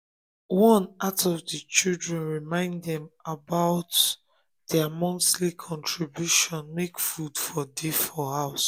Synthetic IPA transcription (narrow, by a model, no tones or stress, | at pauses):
wɔ̃natʰɔvdət͡ʃildɹɛ̃nɹimãɪ̃ndɛ̃mabaʊt | d̥ɛamɔ̃nslikʰɔ̃ntʰɹibjuʃɔ̃nmekfudfɔdefɔhaʊs